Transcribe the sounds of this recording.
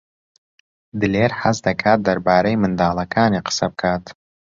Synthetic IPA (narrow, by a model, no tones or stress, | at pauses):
d̪ɨleːɾħasd̪ɐkʰaːt̪̚d̪ɐɾbaːɾɐjmɨnd̪aːlˠɐkʰaːniqʰə̥sɐb̚kʰaːt̪